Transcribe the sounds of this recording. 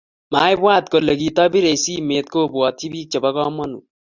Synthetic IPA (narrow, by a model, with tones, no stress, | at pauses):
ma˨˦jbwaː˦t̚ko˨le˨ki˨tɔ˦bi˦ɾe˨si˦me˨t̚koː˦bwɔ˨ti˦biː˦k̚t͡ʃe˨ba˦kɔ˦mɔ˦nṵ˨